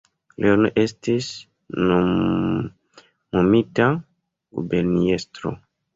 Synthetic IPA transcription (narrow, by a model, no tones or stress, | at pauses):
lʔenoʔestis | no | nomita | ṵbeɾniestɾo̰